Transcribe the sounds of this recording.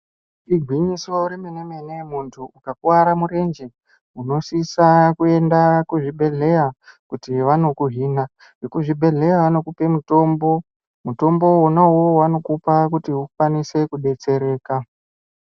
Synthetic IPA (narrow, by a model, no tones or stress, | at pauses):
iɡʱwiɲiso̞uɾimenemenemuntʰuʔːkakuwaɾamuɾe̞nd͡ʒe̞ | uno̞sisakue̞ndakuʐiɓʱe̞ɮe̞jakutiʋano̞kuɦiːna | ekuʐibʱe̞ɮe̞jaʋano̞kupe̞muto̞ːmbo̞ | muto̞mbo̞onawowano̞kupakutiufwanise̞kuɗe̞t͡se̞ɾe̞ːka